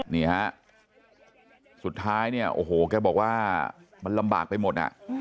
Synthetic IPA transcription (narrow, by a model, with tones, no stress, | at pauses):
niː˦˧˩ha˦˥ʔ | su˨˩t̪ʰːaː˦˥jni˥˩ɐʔo̰ː˧˩ɦoː˨˩kɛː˧bɔː˨˩k̚waː˥˩ | ma˧nla˧mba̰ː˨˩k̚pa˧jmo˨˩t̪̚ha̰˨˩ʔ